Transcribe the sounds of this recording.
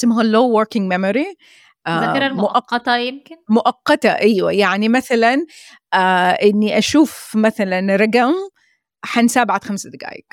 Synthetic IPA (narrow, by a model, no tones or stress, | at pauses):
smaɦalːoːwɔɾkɪŋɡmɛmɔɾi | ʔaɾlmmʊʔʔɑqːɑt̪ɑjɪmkɪnmʊʔɑqːɑt̪ɑ̰ʔiːwa̰jaʕnimaθalan | ʔaʔɪnːiʔaʃuːfmaθalanɾˤɑɡam | ħansaːbʕat̪xamsad̪ɪɡa̰ːjɪ̰k